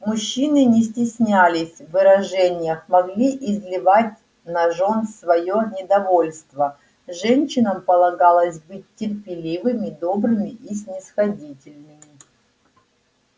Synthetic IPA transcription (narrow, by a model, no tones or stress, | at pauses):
mʊɕːinɨnʲɪsʲtʲɪsʲnʲælʲɪsʲvːɨɾɐʐɛnʲɪjəxmɐɡlʲiʔɪzʲlʲɪvatʲ | nɐʐo̞nsvɐjonʲɪd̪ɐvo̞lʲst̪və | ʐɛnʲɕːɪnəmpəlˠɐɡalˠəsʲbɨtʲːɪrpʲɪlʲivɨmʲɪd̪o̞bɾɨmʲɪʔisʲnʲɪsxɐdʲitʲɪlʲnɨmʲɪ